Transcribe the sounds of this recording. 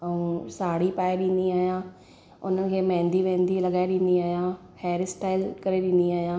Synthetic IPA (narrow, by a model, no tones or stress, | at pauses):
əũsaːɽipaːeɗĩːnd̪iaːɦjãː | ʊ̰nənɪ̆kʰeːmɛ̃ːnd̪iʋẽːnd̪ilɐɠaːeɗĩːnd̪iaːɦijã | hɛːɾɪsʈaːɪlkɐɾeɗĩnd̪iaːɦijãː